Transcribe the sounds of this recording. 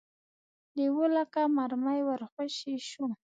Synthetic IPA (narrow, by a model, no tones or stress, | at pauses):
d̪iwolakamaɾmajwaɾxaʃiʃu